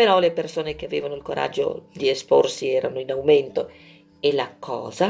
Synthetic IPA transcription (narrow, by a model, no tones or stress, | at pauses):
peɾɔlepersoːnek̟eavḛːvanoilkoɾʔa̰d͡ʒːo̰d̪iespo̰rsiɛːɾanoinawment̪o | elakʰɔ̰ːza